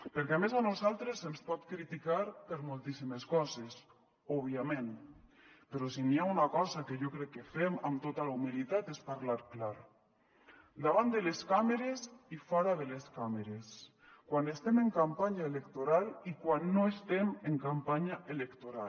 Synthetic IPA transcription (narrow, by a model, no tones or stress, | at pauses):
peɾkɛamezanuzalˠt̪ɾezemspɔt̪kɾit̪ikaɾpeɾmolˠt̪isimeskɔzes | ɔβ̞iamẽn | peɾɔs̬iniaunakɔzakeʒokɾɛkːefemamt̪ot̪alaumilit̪at̪espaɾlaɾklaɾ | d̪aβ̞and̪eleskameɾesifɔɾaðeleskameɾes | kwanest̪ɛmeŋkampaɲaelekt̪oɾalikwanːoest̪emeŋkampaɲaʔelekt̪oɾal